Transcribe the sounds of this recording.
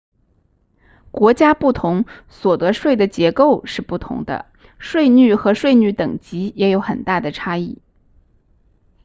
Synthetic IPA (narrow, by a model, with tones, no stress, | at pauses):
kwɔ˧˥t͡ɕja˥pu˥˩t̪ʰʊ˧˥ŋswɔ˨˩t̪ɤ˧˥ʂwe˥˩ɪd̪ə˩t͡ɕjɛ˧˥ko˥˧ʊʂɻ̩˥˧pu˥˩t̪ʰʊ̰˧˥ŋd̪ə̰˧ | ʂwe˥˧ɪny˥˩xɤ˧˥ʂwe˥˩ɪny˧˥t̪ɤ˨˩ŋt͡ɕi˧˥jɛ˧˥jo˧˥ʊxə˨˩nt̪a˥˩d̪ə˩ʈ͡ʂʰa˥i˥˩